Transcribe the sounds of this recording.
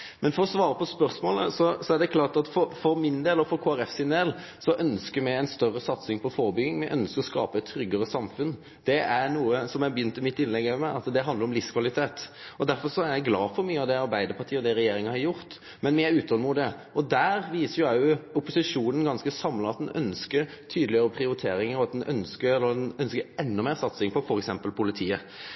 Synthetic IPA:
mɛnfɔɾɔsʋɑːɾəpʰɔspœɾsmoːlə̰sɔsɔæɾɖ̪ɛkʰlɑːʁt̪ɑt̪fɔɾfɔɾmɪnd̪eːlɔfɔɾkʰoːæɾɛfsɪnd̪eːl | sɔʔœnskəɾmæɡæɪnst̪œrːəsɑt̪sɪŋpʰɔfoːɾbʏɡɪŋmɛʔœnskəɾɔskɑ̰ːpəɛt̪ʰːɾʏɡːəɾəsɑmfʉn | d̪̥ɛæɾnuːəsɔmjæɪbjʏnt̪ɪmɪt̪ːɪnlɛɡɛʋəmæɪɑt̪d̪ɛɦɑnd̪əɾɔmlɪfskʰʋɑlɪt̪ʰeːt̪ɔd̪æɾfɔɾʂɔæɾjæɡlɑːfɔɾmyːəɑʋd̪ɛɑɾbæɪd̪əɾpʰɑʁt̪ʰiːəɔd̪ɛɾɛjeːɾɪŋəhɑɾjʊɾt̪ | mɛnmɪæɾʉːt̪hɔlmʊt̪̚d̪ɛ | ɔd̪æːɾʋiːsəɾjʊæjʊʊpʊsɪʂuːnənɡɑnskəsɑmləɑt̪̚d̪ɛnʔœ̰nskəɾt̪ʰyːd̪əlɪəɾəpʰɾɪʊɾɪt̪ʰeːɾɪŋəɾɔɑt̪̚d̪ɛnʔœ̰nskəɾɛlːəɾd̪nœnskəɾɛnːɔmeːɾsɑt̪sɪŋpʰɔfɔɾɛksɛmpəlpʰʊlɪt̪ʰiːə

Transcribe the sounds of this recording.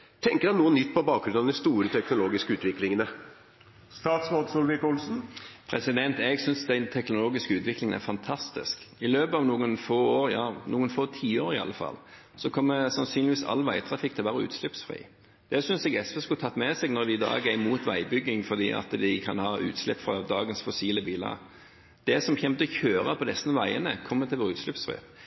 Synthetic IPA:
t̪ʰɛŋkəɾɛnuːənːʏt̪ːpɔbɑːk̚ɡɾʉnɑʋd̪ɛst̪uːɾət̪ʰɛknʊloːɡɪskəʉːt̪ʋɪklɪŋənə | st̪ɑːt̪smod̪sulʋɪkʊlsn̩pʰɾɛsɪd̪ɛnt̪ɛɡsʏnsd̪ɛnt̪ʰɛknʊloːɡɪskəʉːt̪ʋɪklɪŋənæ̰ɾfɑnt̪ʰɑst̪ɪ̰sk | ɪløːbəɑʋnuːənfoːoːɾjɑːnuːənfoːt̪ʰiːoːɾɪɑ̰lːəfɑ̰l | sɔkʰɔmːəsɑnsyːnlɪʋiːsɑ̰lːʋæɪt̪ʰɾɑfɪkːt̪ʰɛlʋæːɾəʉ̰ːt̪slʉpsfɾḭː | d̪̥ɛsʏnsɛɡɛspɛskʉt̪ʰɑt̪ːmɛsɛɡnɔɾd̪ɪd̪ɑ̰ːɡəæɾmuːt̪ʋæɪbʏɡːɪŋfɔʁd̪ḭːʔɑ̰t̪d̪ɪkʰɑnhɑːʔʉ̰ːt̪slɛpːfɾɑd̪ɑːɡənsfʊsiːləbiːlə̰ | d̪̥ɛsɔmçɛmt̪əɔçøːɾɑpʰɔd̪ɛsənəʋæɪənəkʰɔmːət̪ʰɪlʋoːɾʉːt̪slʉpsfɾḭː

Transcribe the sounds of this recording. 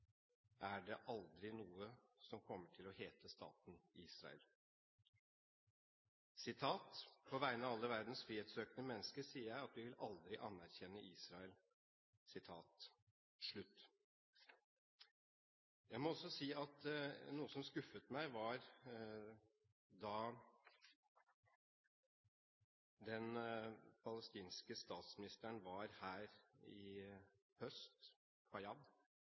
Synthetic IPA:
ʔæɖɛʔɑld̪ɾɪnuːəsɔmkʰɔmːəʈʰɪlɔheːt̪ʰəst̪ɑ̰ːt̪n̩iːsɾɑ̰ə̰l | sɪt̪ʰɑːt̪pʰɔʋæɪənɑʋɑlːəʋæɾd̪n̩sfɾiːeːt̪søːknəmɛnːəskəɾsiːəɾjæɪɑt̪ʋɪʋɪlɑld̪ɾɪʔɑnːæɾçɛnːəʔiːsɾɑəl | sɪt̪ʰɑːt̪ | ʂɭʉt̪ː | jæɪmɔɔsːɔsiːɑt̪nuːəsɔmskʉfət̪mæɪʋɑɾ | d̪ɑ | d̪ɛnpʰɑləst̪iːnskəst̪ɑːt̪smɪnɪst̪əɳʋɑɾhæːɾɪ | hœst̪ | kʰɑjɑd̪

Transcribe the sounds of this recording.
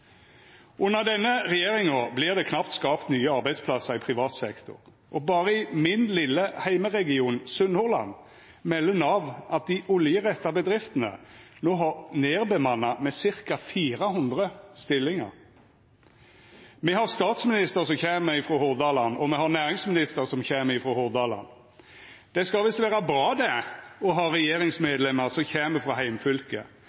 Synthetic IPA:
ʔʉnːəʁd̪ɛnːəʁɛjeːʁɪŋɔblɪʁd̪ɛkʰnɑpt̪skɑːpt̪nyːəɑʁbæɪd̪spʰlɑsəʁɪpʰʁɪʋɑːt̪sɛkt̪ʊ̰ʁ | ʔɔbɑːʁəɪmɪnlɪlːəhæɪməʁɛɡɪuːnsʉnhʊʁlɑ̰n | mɛlːənɑːʋʔɑt̪̚d̪ɪʔɔljəʁɛt̪ːɑbəd̪ʁɪft̪ənə̰noːɦɑʁneːʁbəmɑnːɑmɛsɪʁkɑfiːɾəɦʊnd̪ʁəst̪ɪlːɪŋə̰ʁ | mɛhɑʁst̪ɑːt̪smɪnɪst̪əʁsɔmçeːməɾɪfʁɾoːhʊʁd̪ɑːlɑnɔmɛhɑʁnæːʁɪŋsmɪnɪst̪əʁsɔmçeːməɪfɾoːhʊʁd̪ɑːlɑ̰n | d̪̥ɛskɑlʋɪsʋæːɾɑbɾɑːd̪ɛɔɦɑːɾɛjeːɾɪŋsmeːd̪lɛməʁsɔçeːməfʁɑɦæɪmfʏlkə̰

